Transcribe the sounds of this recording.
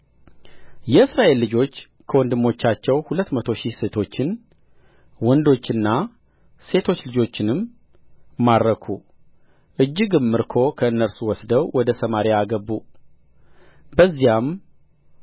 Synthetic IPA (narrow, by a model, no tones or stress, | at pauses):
jɛɨsɾaʔe̞lːɨd͡ʒo̞t͡ʃː | kʰəwɔnd̪ɨmːo̞t͡ʃːat͡ʃːɛwhulət̪ːmət̪ʰo̞ʃise̞t̪ʰo̞t͡ʃːɪn | wɔnd̪o̞t͡ʃːɨnːa | se̞t̪ʰo̞t͡ʃːlɨd͡ʒo̞t͡ʃːɪnɨmː | ad̪ɾəkʰu | ʔɨd͡ʒːɨɡɨmːɨɾkʰo̞kʰəɨnːəɾsuwɔsd̪əwwɔd̪əsəmaɾiaɡəbːu | bəzːijam